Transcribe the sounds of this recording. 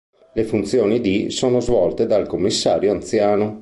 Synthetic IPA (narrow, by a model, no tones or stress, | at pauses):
lefunt̪sjoːnid̪isoːnozvɔlt̪ed̪alkomːisːaːɾjoant̪sjaːno